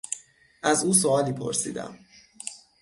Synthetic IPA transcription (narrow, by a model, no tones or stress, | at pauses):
ʔæzuːsoɒːliːpʰo̞̰ɾsḭːd̪æ̰m